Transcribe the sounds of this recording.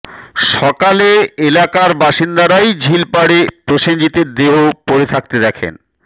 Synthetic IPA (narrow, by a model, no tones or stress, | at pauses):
ʃɔkaleelakaɾbaʃind̪aɾajd͡ʑʱilpaɽepɾoʃeɲd͡ʑit̪eɾd̪eɦopoɾet̪ʰak̚t̪ed̪ɛkʰḛn